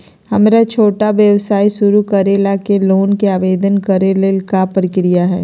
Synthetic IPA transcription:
hɐmɾat͡ʃʰoːʈaʋjəʋsaːisʊɾukɐɾeːlakeloːnkeaːʋeːd̪ənkɐɾeleːlkapɾɪkɾijaɦɛː

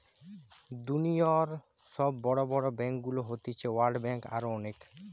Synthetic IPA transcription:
d̪unioɾ | ʃɔbːɔɽobɔɽobɛŋk̚ɡuloɦot̪it͡ɕʰewaɾɖbɛŋka̰ɾoɔnek

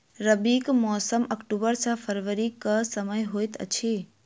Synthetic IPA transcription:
ɾəbiːkmɔːsəməkʈubəɾsʰə̃pʰəɾʋəɾikəsəməjɦoːjt̪ə̰t͡ʃʰi

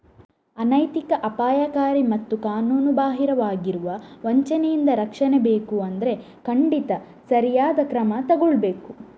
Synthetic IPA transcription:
ɐnɐjt̪ikɐʔɐpaːjakaːɾimɐt̪ːukaːnuːnubaːɦiɾɐʋaːɡiɾuʋɐʋɐɲt͡ʃɐnɛjind̪ɐɾɐkʂɐnebe̞ːkuɐnd̪ɐɾe̞ | kɐɳɖit̪ɐ | sɐɾijaːd̪ɐkɾɐmɐt̪ɐɡuɭbe̞ːku

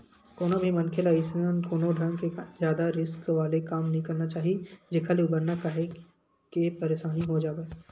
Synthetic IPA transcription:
koːnabʱimɐ̃nkʰelaɪsnənkoːnoɖʱɐ̃ŋɡkezjaːd̪aɾɪskʋaːlekaːmnɐɦĩkɐɾnat͡ʃaːɦied͡ʒɪkʰaleʊbəɾnakaɦe | kepɐɾeːʃaːniɦod͡ʒaːʋe

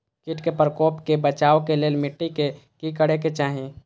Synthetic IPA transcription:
kiʈkepɾəkoːpkebət͡ʃaːokeleːlmɪʈːikekikəɽeket͡ʃaːɦi

